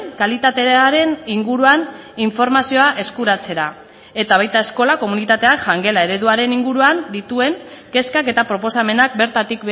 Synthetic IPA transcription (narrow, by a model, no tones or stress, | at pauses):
kalit̪at̪e̞aɾe̞niŋɡuɾuan | iɱfo̞ɾmasio̞aʔe̞skuɾat͡se̞ɾa | e̞t̪aβ̞ajt̪ae̞sko̞lako̞munit̪at̪e̞aʝaŋɡe̞lae̞ɾe̞ðuaɾe̞niŋɡuɾuand̪it̪ue̞ŋke̞skake̞t̪apɾo̞po̞same̞nak̚beɾt̪at̪ik